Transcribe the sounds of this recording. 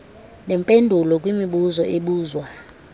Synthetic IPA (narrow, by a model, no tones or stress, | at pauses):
nɛmpʼendʱulɔkʼwimiɓuzɔʔeɓuːzwa